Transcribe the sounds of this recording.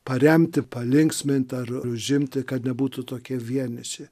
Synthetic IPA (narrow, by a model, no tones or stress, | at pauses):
pɐɾʲɛmʲt̪ʲɪpɐlʲɪŋksʲmʲɪnʲt̪ʲɐɾʊʒʲɪmʲt̪ʲɪkɐt̪nʲɛbuːt̪ʊt̪oːkʲiɛʋʲiɛnʲɪʃʲe